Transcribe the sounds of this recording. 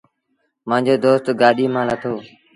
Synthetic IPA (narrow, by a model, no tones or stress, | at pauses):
mãːɲd͡ʑoːd̪oːst̪ɡaːɗiːmãːlət̪ʰoː